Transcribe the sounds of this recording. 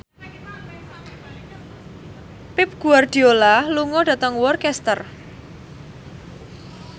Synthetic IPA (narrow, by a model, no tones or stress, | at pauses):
pɪp̚ɡ̥uard̪̥i̤olaluŋɔɖ̥ä̤t̪əŋwɔrkɛst̪ər